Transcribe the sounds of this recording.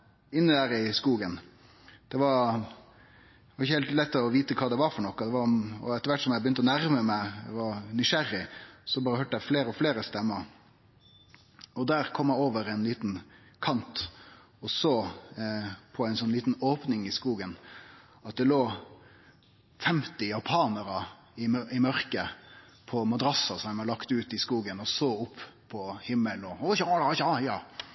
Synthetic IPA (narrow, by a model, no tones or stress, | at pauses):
ɪnːəd̪æːɾɪskuːɡən | d̪̥ɛʋɑɾ | ʋɑɾɪçːəɛːlt̪lɛt̪ːɔʋiːt̪əkʰɑːd̪ɛʋɑɾfɔɳɔkːɑd̪ɛʋɑɔ̰ɛt̪əɾʋæʈːsɔmjæɪbəjʏnt̪əɔnæɾməmæɪɛʋɑɾnʏʃæɾɪsɔbɑːɾəhøːʈəæɪfleːɾəɔfleːɾəst̪ɛmːəɾ | ɔd̪æːɾkʰɔmːjæɪoːʋəɾɛnliːt̪nkʰɑnt̪ | ɔsoː | pʰɔæɪnsɔnliːt̪n̩oːpnɪŋɪskuːɡən | ɑt̪̚d̪ɛloː | fɛmt̪ɪjɑpʰɑːnəɾɑ | ɪɪmœɾkə | pʰɔmɑd̪ɾɑsɑsɔmæɪmɑlɑkt̪ʉːt̪ɪskuːɡənɔsoːʊpʰːpʰːɔhɪmːəlnɔɔçɑːɑɑːjɑː